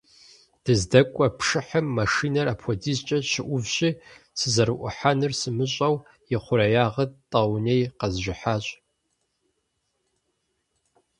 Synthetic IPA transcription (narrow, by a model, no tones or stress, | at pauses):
d̥ɨzdɐkʷʼɔpʰʂɨħəmːɐʂiːnɐrapʰʷɔdist͡ʃʼɐʃɪʔʷʊvɕʼɪsɨzɐɾɨʔʷʊħanɨrsɨmɨɕʼɐw | jɪχʷʊɾɐjaːʁɐtʼɐwnejqɐzʒɪħaːɕʼ